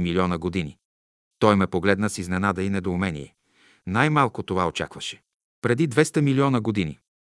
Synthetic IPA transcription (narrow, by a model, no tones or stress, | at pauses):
miliɔnəɡod̪ini | t̪ɔjmɛpoɡlɛd̪nəsiznɛnad̪əinɛd̪oːmɛnḭjɛ | najmalˠkot̪ovaot͡ʃa̰kvɐʃɛ̥ | pɾɛd̪id̪vɛst̪ɐmiliɔnəɡod̪inḭ